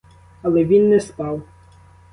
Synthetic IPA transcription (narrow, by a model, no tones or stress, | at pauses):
ɐlˠɛʋʲinːɛspɑw